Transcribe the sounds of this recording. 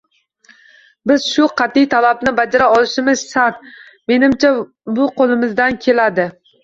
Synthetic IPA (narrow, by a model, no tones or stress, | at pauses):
bɪz̥ʃʊqʰɑt̪ɪjt̪ʰalabnɪbad͡ʒaɾaɒlɪʃɪmɪzsat̪̚ | me̞nɪmt͡ʃʰa | bʊqʰolˠɪmɪzd̪ankʲʰe̞lad̪ɪ